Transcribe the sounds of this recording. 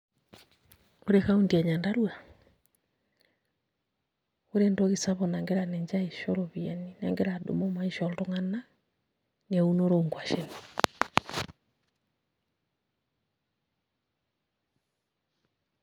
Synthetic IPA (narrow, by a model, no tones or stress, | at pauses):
oɾɛkaundiaɲandaɾua | uɾɛndɔɣisaβɔnaŋɡeɾanɛɲd͡ʒaiʃɔɾoβianinaŋɡeɾado̰momaiʃɔltɔŋana | niaunoɾoŋɡwaʃɛni